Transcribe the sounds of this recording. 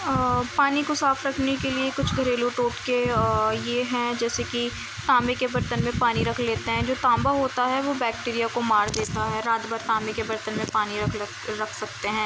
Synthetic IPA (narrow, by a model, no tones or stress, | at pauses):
paːnikosaːfɾɐkʰnekeliekʊt͡ʃʰɡʱɐɾeːluʈoːʈkejeɦɛ̃d͡ʒɛːseki | t̪ãːmekebɐɾt̪ənmẽpaːniɾɐkʰleːt̪eɦɛ̃d͡ʒoːt̪ãːmbaɦoːt̪aɦɛʋobɛːk̚ʈiːɾijakomaːɾd̪eːt̪aɦɛɾaːt̪baːɾt̪ãːmbekebɐɾt̪ənmẽpaːniɾɐkʰ | ɾɐkʰsɐk̚t̪eɦɛ̃ː